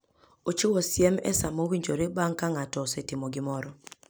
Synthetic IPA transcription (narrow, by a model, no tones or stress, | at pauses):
ot͡ʃowosjɛmɛ̰samowiɲd͡ʒoɾebaŋkaŋatɔːsɛtɪmɔɡɪmɔɾɔ